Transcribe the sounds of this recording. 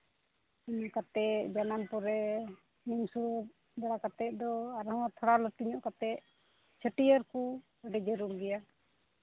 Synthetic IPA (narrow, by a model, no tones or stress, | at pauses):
iɲɔʔkat̪ɛt̚d͡ʒananpɔɾɛ | nimsuɾə | bɛɽakat̪ɛˀd̪ɔaɾɦɔ̃t̪ʰɔɽalɔʈiɲɔʔkat̪ɛʔ | t͡ʃʰəʈijəɾku | əɖɛd͡ʒəɾuɾɡɛja